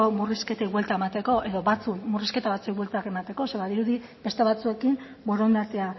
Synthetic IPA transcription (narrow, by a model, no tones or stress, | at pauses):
omuriske̞t̪ejβwelt̪aemat̪e̞ko̞ʔe̞ðo̞βat͡sukmuriske̞t̪aβat͡suekβwelt̪ake̞mat̪e̞ko̞seβaðiɾuði | be̞st̪e̞β̞at͡sue̞kim | boɾo̞nd̪at͡sea